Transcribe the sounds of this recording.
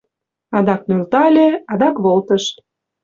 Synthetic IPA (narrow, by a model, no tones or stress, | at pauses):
ɑd̪ɑknølt̪ɑlʲeɑd̪ɑkβolt̪əʃ